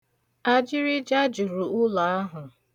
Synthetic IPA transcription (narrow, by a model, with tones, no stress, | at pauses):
a˦d͡ʒɪ˦ɾɪ˦d͡ʒa˦d͡ʒu˨ɾu˨ʊ˦la˨a˦ɦʊ˨